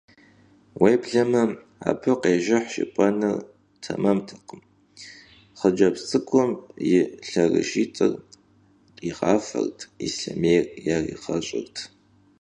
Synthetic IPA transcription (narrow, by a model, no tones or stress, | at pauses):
wejbɮɐmɐ | a̰ːpʰɨqʼeːʒɪħʃɪ̰pʷʼɐnɨr | tʰɐmɐmtʰɐqəm | χəd͡ʒɐpt͡sʼɨkʷʰʼʊmjɪɬɐrɨ̰ʃiːt͡sʼɨrʼ | iʁɑːfɐ̰rtʰisɐmejrjariqɐɕʼɪrtʰ